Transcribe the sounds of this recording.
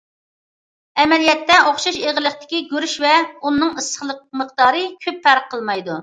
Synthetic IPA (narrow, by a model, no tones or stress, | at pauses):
ɛmɛlijɛt̪ːɛoχʃuʃeʁəlˠəχt̪ʰɪ̥kʲiɡʲøɾyʃvɛunːɨŋəsəχlˠəq̚məqd̪ɑːɾɨkʲʰøpːæɾqʰːəlˠmɑjd̪u